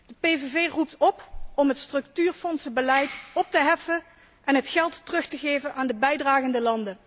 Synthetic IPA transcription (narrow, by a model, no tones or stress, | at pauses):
d̥əpejvevejrup̚tɔpɔmɦətstrɵktyːrfɔnsəbəlɛjtɔp̚təɦɛfə | ʔɛnɦətχɛlˠtːərɵχtəɣejvənʔaːndəbɛjdraːχəndəlɑndə